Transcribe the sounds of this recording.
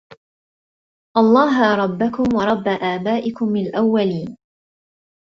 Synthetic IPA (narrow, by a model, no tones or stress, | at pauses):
ʔɑlˤːɑːɦaɾˤɑbːakʊmwɑɾˤɑbːaʔaːbaːʔɪkʊmːɪlʔawːaliːn